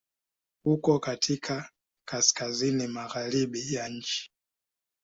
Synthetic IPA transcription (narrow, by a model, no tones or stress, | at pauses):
hukɔkatʰikʰa | kaskazinimaɣaɾiɓijaɲ̩t͡ʃi̥